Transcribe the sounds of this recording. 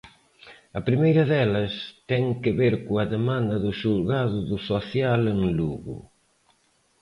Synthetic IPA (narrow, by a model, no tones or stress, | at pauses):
ɐpɾimejɾɐðɛlɐst̪ɛŋkɪβeɾkoɐðemãnd̪ɐðʊʃulɣaðʊðʊsoθjaleŋluɣʊ̰